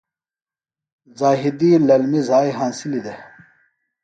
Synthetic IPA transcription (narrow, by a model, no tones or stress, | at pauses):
zaːɦid̪iːlɐlmizaːjɦãːnsilid̪e